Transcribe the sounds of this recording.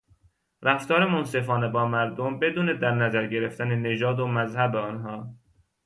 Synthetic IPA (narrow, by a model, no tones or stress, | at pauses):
ɾæft̪ɒːɾemonse̞fɒːnebɒːmæɾd̪ombe̞d̪uːne̞d̪æɾnæzæɾɟe̞ɾe̞ft̪ænene̞d͡ʒɒːd̪omæzhæbeɒnɦɒː